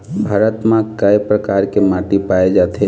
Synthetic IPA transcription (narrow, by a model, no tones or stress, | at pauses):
bʱaːɾət̪mãkəjpɾəkaːɾkemaːʈipaed͡ʒaːt̪e